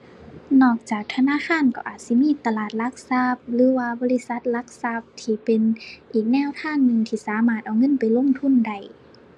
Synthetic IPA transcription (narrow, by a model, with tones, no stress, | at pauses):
nɔː˧˩k̚t͡ɕaː˨˩k̚t̪ʰa˧naː˧˥˨kʰaː˧˥˨nkɔ̰ː˧˩ʔaː˨˩t̪̚si˧˦miː˧˥˨t̪a˧laː˨˩t̪̚la˧˥k̚sa˧p̚lɯː˨˦waː˧bɔː˧˦li˧˨sa˧˦t̪̚la˧˥k̚sa˧˥˩p̚t̪ʰiː˧pe˨nʔiː˨˩k̚nɛː˧˥˨wt̪ʰaː˧˥˨ŋnɯ˧ŋt̪ʰiː˧˩saː˨˦maː˧˩t̪̚ʔa˨˧wŋɤ˧˥˨npa˨jlo˧˥˨ŋt̪ʰu˧˥˨nda˧˩j